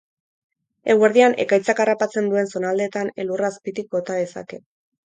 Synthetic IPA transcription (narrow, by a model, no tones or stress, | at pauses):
e̞ɣwe̞ɾðianʔe̞̰kajt͡sakarapat͡se̞nd̪ue̞nso̞nald̪e̞ːt̪ane̞̰luraspit̪ik̚bo̞t̪aðe̞sa̰ke̞